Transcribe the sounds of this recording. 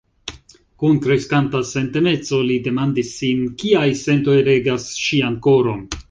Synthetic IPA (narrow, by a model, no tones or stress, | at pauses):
kunkɾeskantase̞nte̞ne̞t͡so̞lide̞mandisːinkiajse̞nto̞jɾe̞ɡasʃianko̞ɾo̞n